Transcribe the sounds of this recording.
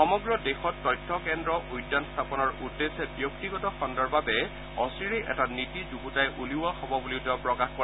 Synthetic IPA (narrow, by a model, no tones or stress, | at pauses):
xɔmɔɡɹɔdexɔtːɔjtʰːɔkɛndɹɔʔujdːanst̪ʰapɔnɔɹudːesɛbjok̚tiɡɔtɔxɔndaɹbabɛ | ɔsɹiɹeʔɛ̰tanitizubutajʔuliwaxɔbɔbuliʊtɛɔpɹɔkaxkɔ